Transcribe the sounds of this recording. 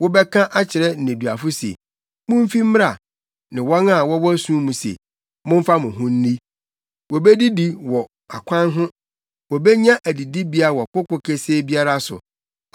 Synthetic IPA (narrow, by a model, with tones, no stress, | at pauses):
wɔ˦bɛ˦kʰã˦ʔa˦t͡ɕʰɪ˨ɾɛ˦n̩˨nɪ̃˨du˨a˨fʊ˦sḛ˨ | mʊ̃˦m̩˦fi˦m̩˦m˦a˨ | nɪ̃˨wɔ˦na˨wɔ˦wɔ˦æ˦sũ˦mũ˨sḛ˨ | mʊ̃˦m̩˦fa˦mʊ̃˨ɦʊ̃˦n̩˦ni˦ | wɔ˨be˦di˦di˨wɔ˨ | a˨kʷʰã˦nɦʊ̃˦ | wɔ˨bɛ˦ɲã˦ʔæ˨di˨di˦bi˦a˦˨wɔ˨kʊ˦kʊ˦kʰe˦se˦bi˦a˦ɾa˦sʊ̰˨